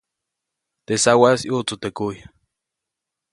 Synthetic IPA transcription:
t̪esawasiut͡sut̪ekuja

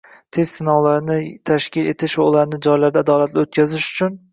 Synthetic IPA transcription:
t̪ʰe̞zsɪnɒwlaɾnɪt̪ʰaʃkʲɪle̞t̪ʰɪʃvaulaɾnɪd͡ʒɒjlaɾd̪aːd̪ɒlat̪lɪot̪kʲʰazɪʃʊ̥t͡ʃʰʊn

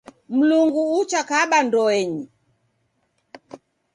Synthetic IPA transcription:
m̩luŋɡuut͡ʃakaɓandɔɛɲi

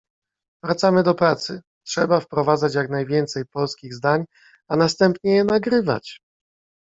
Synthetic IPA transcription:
vɾat̪samɘd̪ɔpɾat̪sɘ | tʂɛbafpɾɔvad̪zat͡ɕjaknajvʲjɛnt̪sɛjpɔlskʲiɣzd̪aɲ | anast̪ɛmpɲɛjɛnaɡɾɘva̰t͡ɕ

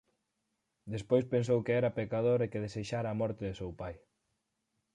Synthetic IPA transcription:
d̪espojspens̬owkeɛɾɐpekaðoɾekeðeseʃaɾaːmɔɾt̪eðesewpaj

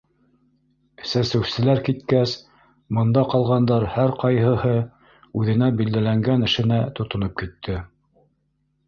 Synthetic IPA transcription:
sæsɘ̆wsɘ̆læɾkit̪kæs | mŏnd̪ɑqɑlˠʁɑnd̪ɑɾhæɾqɑjɦɤ̆hɤ | ʉðɘ̆næbild̪ælæŋɡænɘ̆ʃɘ̆næt̪ŏt̪ŏnop̚kit̪ʰːɘ

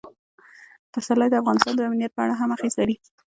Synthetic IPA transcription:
fasalajd̪əafɣɑnɪst̪ɑnd̪əamnijat̪̚pəa̰ɽaɦamaxislaɾi

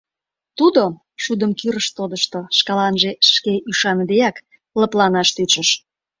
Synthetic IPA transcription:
t̪ud̪o | ʃud̪əmkyɾəʃt̪od̪əʃt̪oʃkɑlɑnʒeʃkeʔyʃɑnəd̪eɑk | ləplɑnɑʃt̪yt͡ʃəʃ

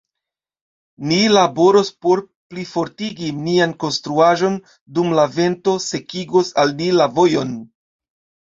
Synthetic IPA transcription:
nilabo̞ɾo̞spo̞ɾ | plifo̞ɾtiɡinianko̞nstɾuaʒo̞n | dumlave̞nto̞se̞kiɡosalnilavo̞jo̞n

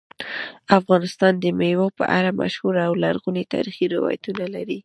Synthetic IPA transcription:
afɣɑnɪst̪ɑnd̪əmewopə̰ʔa̰ɾama̰ʃhuɾawlaɾɣunet̪ɑ̰ɾixiɾɪwɑ̰jat̪unalaɾi

